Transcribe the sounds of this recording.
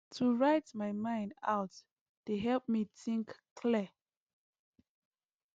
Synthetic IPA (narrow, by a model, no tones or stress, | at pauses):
tʰuɹaɪtmajmãɪ̃nda̰ʊt | d̥eɦɛlp̚miθĩŋkkʰli